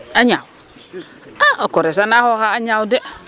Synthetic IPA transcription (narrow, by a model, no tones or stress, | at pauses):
aɲaw | akoɾes̬anahokaaɲawde